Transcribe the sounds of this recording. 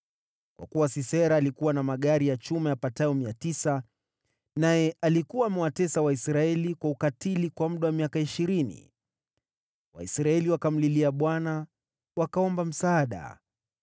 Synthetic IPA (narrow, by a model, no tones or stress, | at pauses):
kwa̰kuwasisɛɾaːlikuwanamaɠaɾijat͡ʃumajapatajɔmiatisa | najɛʔalikuwaːmɛwatɛsawaisɾaɛlikwaukatilikwamm̩ɗawamiakaiʃiɾinḭ | wa̰ḭsɾaɛliwakam̩liliaɓwana | wakaɔmbam̩saːɗa̰